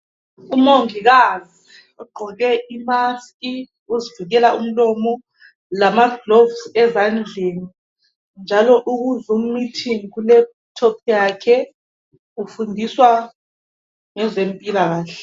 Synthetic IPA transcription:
umoŋiɣazi | uɡ͡ǃʱɔɣɛimaskʼi | uziviɣɛlaʔum̩lɔmɔ | lamaɡlɔvsɛzand͡ɮʱeːni | nd͡ʒʱalɔʔuɣuzum̩mitʰiŋikulɛ | tʰɔpʰjakʰɛ | ufundʱiswa | ŋɛzempʼilaɣaːɬɛ

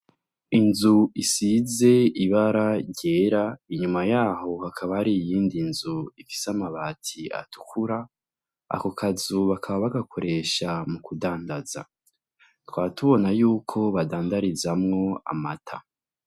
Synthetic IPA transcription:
inzuisize̞iβaɾaɾɟe̞ːɾaiɲumajaːho̞hakʰaβahaɾijiːndinzuifi̥samaβaːtʰia̰tu̥kʰuɾa | a̰kokʰazuβakʰaβaβaɡakʰo̞ɾe̞ʃamukudaːndaz̥a̰ | twaːtuβo̞najuːkʰo̞βadaːndaɾizamŋo̞a̰matʰa̰

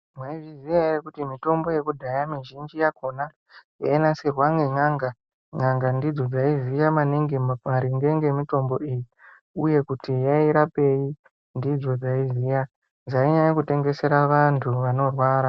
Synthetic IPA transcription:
mwaivizijaeɾekutimito̞mbo̞je̞kudʱajamiʒind͡ʒijako̞na | jainasirwaŋɡeŋaŋɡa | ŋaŋɡandid͡zo̞d͡zaizijamaniŋɡemaɾiŋɡe̞ŋɡe̞mito̞mbo̞iji | uje̞kutijaiɾape̞ji | ndid͡zo̞d͡zaizija | nd͡zaiɲaajekute̞ŋɡe̞se̞ɾaʋantʰuʋano̞rwaːɾa

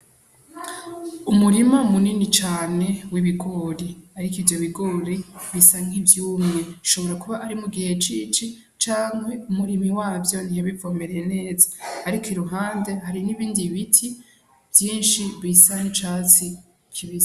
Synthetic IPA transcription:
umuɾimamuninit͡ʃaːne̞wiβiɡo̞ɾiaɾikivjo̞βiɡoːɾiβisaŋivjuːmŋe̞ʃo̞βo̞ɾakuβaʔaɾimuɡihe̞t͡ʃit͡ʃi | t͡ʃaːŋhwe̞umuɾimiwaːvjo̞niheβivomeɾejene̞ːzaːɾikʰiɾuɦaːnde̞ɦaɾiniβiːndiβitʰi | vjiːnʃiβisaŋit͡ʃaːt͡si | kʰiβiza

